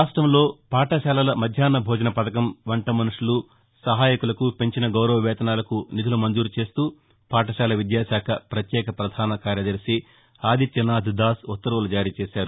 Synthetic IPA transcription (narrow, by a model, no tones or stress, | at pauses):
aːʂʈɾɐmlo̞ːpaːʈɐʃaːlɐlɐmɐd̪ʱjaːnːɐbʱɔːd͡ʒɐnɐpɐt̪ɐkɐmʋɐɳʈɐmɐnuʂulu | sɐɦaːjɐkulɐkupe̞ɲt͡ʃinɐɡɐwɾɐʋɐʋɛːt̪ɐnaːlɐkunid̪ʱulumɐnd͡ʒuːɾut͡ʃe̞ːst̪uː | paːʈɐʃaːlɐʋid̪jaːʃaːkʰɐpɾɐt̪jɛːkɐpɾɐd̪ʱaːnɐkaːɾjɐd̪ɐɾʃi | aːd̪ʱit͡ʃ̪ɐnaːd̪ʱid̪aːsut̪ːɐɾɐɐlɐd͡ʒaːɾiːt͡ʃeːʃaːɾu